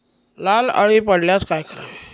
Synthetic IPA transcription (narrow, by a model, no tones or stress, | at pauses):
lala̰ɭipəɽljat͡skajkəɾa̰